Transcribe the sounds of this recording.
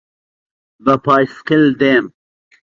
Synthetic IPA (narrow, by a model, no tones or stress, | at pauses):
bɐpʰaːjskild̪eːm